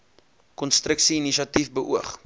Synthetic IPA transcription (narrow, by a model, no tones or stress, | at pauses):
kɔnstrəksiiniʃɐtifbəʔuəχ